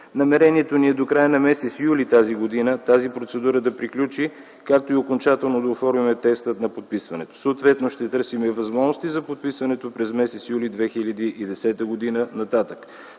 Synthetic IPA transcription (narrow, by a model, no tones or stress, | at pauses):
nɐmɛɾɛniɛt̪oniɛd̪okɾajənɐmɛsɛt̪sjulit̪aziɡod̪inət̪azipɾot̪sɛd̪uɾəd̪ɐpɾiklʲut͡ʃi | kakt̪oiokont͡ʃat̪ɛlˠnod̪ɐofɔɾmimɛt̪ɛkst̪ət̪nɐpot̪̚pisvɐnɛt̪o̥soːt̪vɛt̪noʃt̪ɛt̪ɤɾsimɛvɐzmɔʒnost̪izɐpot̪̚pisvɐnɛt̪opɾɛzmɛsɛt̪sjulid̪vɛxilʲəd̪iʔid̪ɛsɛt̪əɡod̪inənɐt̪at̪ək